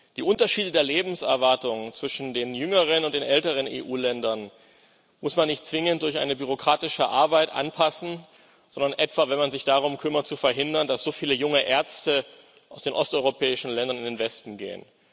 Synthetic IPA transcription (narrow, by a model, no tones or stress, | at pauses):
d̥iːʔʊntɐʃiːdədeːɐleːbm̩sɛɐvaɐtʊŋt͡sv̥ɪʃn̩deːnjʏŋəʁ̞ənʊntd̥eːnʔɛltəʁ̞ənḛːʔuːlɛndɐn | mʊsmanːɪçt̚t͡sv̥ɪŋəntd̥ʊɐçʔa̰ɪnəbyʁ̞okʁ̥aːtɪʃəʔa̰ɐbaɪtʔa̰npʰasn̩ | z̥ɔndɐnʔɛtv̥avɛnmanzɪçd̥aʁ̞ʊmkʰʏmɐt̚t͡sufɛɐɦɪndɐndasz̥oːfiːləjʊŋəʔɛɐt͡stə | ʔaʊsd̥eːnʔɔstʔɔʏʁopʰɛːɪʃn̩lɛndɐnɪndeːnvɛstn̩ɡḛːə̰n